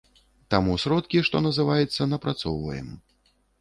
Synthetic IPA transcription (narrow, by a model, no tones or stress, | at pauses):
t̪amusʲɾɔt̪kʲiʂt̪ɔnɐzɨvajɛt̪sːɐnɐpɾat̪sɔwvɐ̰jɛ̰m